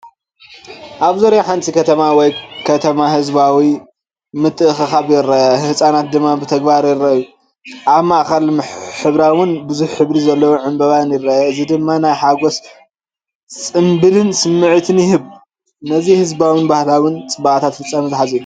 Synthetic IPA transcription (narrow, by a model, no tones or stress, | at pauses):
ʔaβzoɾjaħant͡sʼikʰɐt̪ʰɐmawɔjkʰɐt̪ʰɐmahɨzbawi | mɨt̪ʼːɨʔɨxɨxaβjɪɾɐʔɐhɨsʼanat̪̚d̪ɨmːabɨt̪ʰɐɡbaɾjɪrːɐʔju | ʔaβmaʔxɐlħɨβɾawʊnbɨzuħːɨβɾizɐlːɐwoʕɨmbɐβanjɪrːɐʔɐɨzid̪ɨmːanajħaɡo̞s | t͡sʼɨmbɨlɨnsɨmːɨʕt̪ʰɨnjɪhɨβ | nɐzihɨzbawɨnbahlawʊnt͡sʼɨbaʔt̪ʰat̪fɨt͡sʼːamizɨħasʼiju